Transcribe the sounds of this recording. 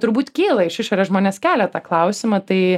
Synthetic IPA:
t̪ʊɾbuːt̪kʲiːlˠɐɪʃɪʃoːɾʲeːʒmoːnʲeːskʲæːlʲɛt̪ɑːklˠɐʊsʲɪmɐt̪ɐɪ

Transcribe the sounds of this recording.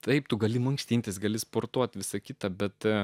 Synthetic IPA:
t̪ʰɐɪpt̪ʊɡɐlʲɪmɐŋksʲt̪ʲiːnʲt̪ʲeːsɡɐlʲɪspoːrt̪uɔt̪ʲʋʲɪsɐkʲɪt̪ɐbʲɛt̪

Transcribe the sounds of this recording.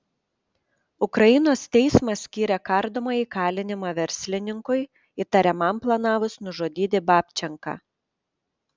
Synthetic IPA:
ʊkɾɐɪnoːst̪ʲɛɪsmɐsʲkʲiːɾʲɛkɑˑɾd̪oːmɐiːkɑːlʲɪnʲɪmɑːʋʲɛɾʲsʲlʲɪnʲɪŋkʊɪ | it̪ɐɾʲɛmɐmplˠɐnɑːʋʊsnʊʒoːd̪ʲiːt̪ʲɪbɑːpʲt͡ʃʲɛŋkɑ̰ː

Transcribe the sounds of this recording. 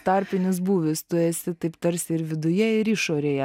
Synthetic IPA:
t̪ɑɾʲpʲɪnʲɪsbuːʋʲɪst̪ʊɛsʲɪt̪ɐɪpt̪ɐɾʲsʲɪɪɾʋʲɪd̪ʊjɛɪɾɪʃoːɾʲeːjɛ

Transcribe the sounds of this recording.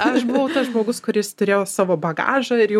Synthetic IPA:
ɐʃbʊʋɐʊt̪ɐsʒmoːɡʊskʊɾʲjɪst̪ʊɾʲeːjoːsɑːʋoːbɐɡɑ̰ːʒɐɪɾjɛ

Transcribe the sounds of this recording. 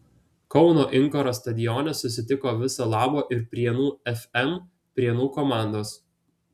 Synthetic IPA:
kɒʊnoːʔɪŋkɔɾoːst̪ɐd̪ʲɪjɔːnʲɛsʊsʲɪt̪ʲɪkoːʋʲɪsɐlˠɑːboːʔɪɾpʲɾʲiɛnuːɛfʲɛm | pʲɾʲiɛnuːkɔmɑˑnd̪oːs

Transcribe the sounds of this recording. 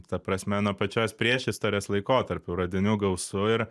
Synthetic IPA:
t̪ɐpɾɐsʲmʲɛnuɔpɐt͡ʃʲoːsʲpʲɾʲiɛʃʲɪst̪oːɾʲeːslˠɐɪkoːt̪ɐɾʲpʲʊɾɐd̪ʲɪnʲuːɡɐʊsʊɪɾ

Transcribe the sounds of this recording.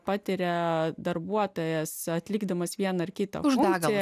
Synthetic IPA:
pɑːt̪ʲɪɾʲɛd̪ɐrbuɔt̪oːjɛsɐt̪ʲlʲɪːɡd̪ɐmɐsʋʲiɛnɐɪrkʲɪt̪ɐ̰ʊfʒʊnːɡ̪ɪ

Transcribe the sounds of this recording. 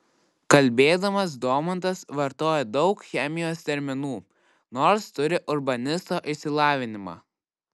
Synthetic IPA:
kɐlʲbʲeːd̪ɐmɐs̬d̪oːmɐnt̪ɐsʋɐɾt̪oːjɛd̪ɒʊkxʲɛmʲɪjoːst̪ʲɛɾʲmʲɪnuː | noːɾst̪ʊɾʲɪʔʊɾbɐnʲɪst̪oːʔɪsʲɪlˠɑːʋʲɪnʲɪmɑ̰ː

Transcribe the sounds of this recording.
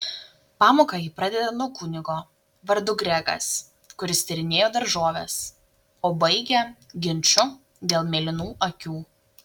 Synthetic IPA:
pɑːmoːkɑjiːpɾɐd̪ʲɛd̪ɐnuɔkʊnʲɪɡoː | ʋɐɾd̪ʊɡɾʲɛɡɐ̰s | kʊɾʲɪst̪ʲɛɾʲɪnʲeːjoːd̪ɐɾʒoːʋʲɛs | oːbɐɪɡʲɛɡʲɪnʲt͡ʃʲʊ | d̪ʲeːlˠmʲeːlʲɪnuːʔɐkʲuː

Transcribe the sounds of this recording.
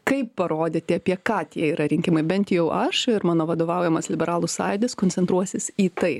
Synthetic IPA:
kɐɪpːɐɾoːd̪ʲeːt̪ʲiɛɐpʲiɛkɑːt̪ʲiɛiːɾɐɾʲɪŋʲkʲɪmɐɪbʲɛnt̪jɛʊʔɐʃɪɾmɑːnoːʋɐd̪oːʋɐˑʊjɛmɐslʲɪbʲɛɾɑːlˠʊsɑːjd̪ʲɪskonʲsʲɛnt̪ɾuɔsʲɪsiːt̪ɐɪ

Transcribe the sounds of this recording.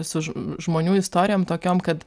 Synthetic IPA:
sʊʒmoːnʲuːɪst̪oːɾʲɪjoːmt̪oːkʲoːmkɐt̪

